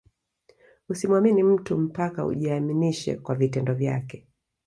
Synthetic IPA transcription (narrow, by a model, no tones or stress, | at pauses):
usimwaminim̩tum̩paka̰ṵʄiaminiʃɛ̰kwavitɛndɔvja̰kɛ